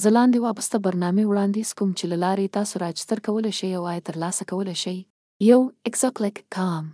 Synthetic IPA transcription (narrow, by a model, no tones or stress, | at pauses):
zəlɑnd̪ewɑbəst̪abaɾnɑmewɽɑnd̪izkumt͡ʃelalɑɾet̪ɑsoɾɑd͡ʒ̥st̪əɾkawəleʃajawɑjt̪əɾlɑsakawəleʃaj | jawɪksoklɪkːʰɑm